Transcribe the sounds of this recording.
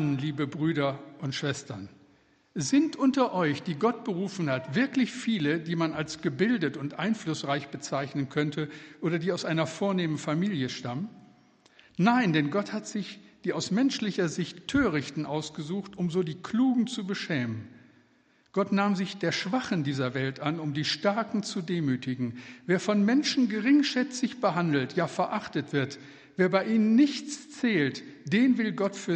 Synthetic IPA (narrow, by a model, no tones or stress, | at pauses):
nliːbəbʁyːɾɐʔʊntʃv̥ɛstɐn | zɪntʔʊntɐʔɔʏçd̥iːɡɔt̚b̥əʁuːfn̩hatv̥ɪɐklɪçfiːlədiːmanalsɡ̥əbɪldətʊntʔaɪnflʊsʁaɪçb̥ət͡saɪçnənkʰœntəʔoːɾɐdiːaʊsʔaɪnɐfoːɐneːmənfamiːljəʃtamən | naɪndɛnɡɔthatz̥ɪçd̥iːaʊsmɛnʃlɪçɐzɪçtʰːøːʁɪçtn̩ʔaʊsɡ̥əzuːxtʔʊmzoːdiːkl̥uːɡŋ̩t͡subəʃɛːmənn | ɡ̥ɔtnaːmzɪçd̥eːɐʃv̥aχəndiːzɐvɛltʔanʊmdiːʃtaɐkŋ̩t͡sudeːmyːtɪɡŋ̩veːɐfɔnmɛnʃn̩ɡəʁɪŋʃɛt͡sɪçb̥əɦandl̩tjaːfɛɐʔaχtətv̥ɪɐt | v̥eːɐbaɪʔiːnənːɪçt͡st͡sɛːltd̥eːnvɪlɡɔtfyːɐ